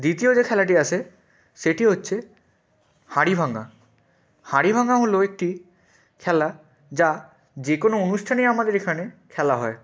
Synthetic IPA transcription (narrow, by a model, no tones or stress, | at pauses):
d̪it̪iod͡ʑekʰɛlaʈiaʃʰe | ʃeʈiɦotːɕʰe | haɽibʱaŋa̰ | haɽibʱaŋaɦoloek̚ʈi | kʰɛla | d͡ʑa | d͡ʑekonoonuʃʈʰanejamad̪eɾekʰanekʰɛlaɦɔe